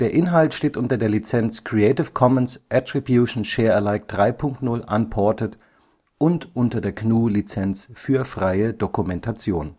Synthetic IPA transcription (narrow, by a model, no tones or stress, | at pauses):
d̥eːɐʔɪnɦaltʃteːtʔʊntɐdeːɐlit͡sɛnt͡skʁ̥iɛɪtɪfkʰɔmənsʔɛtʁ̥ibjuːʃn̩ʃɛːɐɛɐlaɪk̚d̥ʁaɪpʰʊŋktnʊlʔa̰npʰɔɐtət | ʔʊntʔʊntɐdeːɐknuːlit͡sɛnt͡sfyːɐfʁ̥aɪədokumɛntʰat͡sjoːn